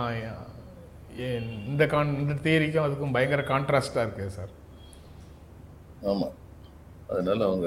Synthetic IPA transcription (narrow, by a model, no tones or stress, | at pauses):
a | ɪnd̪ɐkaːnɪnd̪ɐt̪eːɾɪk̬ʲːʊ̃ɐðɯkːɯ̃mbɐjɐŋɡɪɾɐkaːɳʈɾaːsʈaːɪɾɯkːɯsa̰ːɾ | aːma̰ː | ɐðɐnaːlɐɔŋɡɐ